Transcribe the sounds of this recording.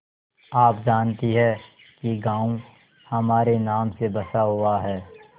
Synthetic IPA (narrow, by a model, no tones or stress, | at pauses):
aːp̚d͡ʒaːnt̪iɦɛ | kiɡãːũ | hɐmaːɾenaːmsebɐsaɦʊaɦɛː